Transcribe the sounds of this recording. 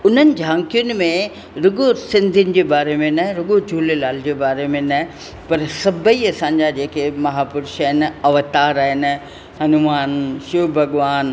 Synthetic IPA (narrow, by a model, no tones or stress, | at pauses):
ʊn̤ənɪ̆d͡ʑʱãːŋkijʊnɪ̆mẽ | ɾʊɠosɪ̃nd̪ʱinɪ̆d͡ʑeːbaːɾemẽnɐɦɪ̃ɾʊɠod͡ʑʱuːlelaːld͡ʑeːbaːɾemẽnɐɦ | pɐɾsɐbʱəiɐsãːɲ̆d͡ʑad͡ʑeːkemɐɦaːpʊɾɪʃaɦɪnɐʋt̪aːɾaːɦɪn | hɐnʊmaːnʃubʱɐɠʋaːn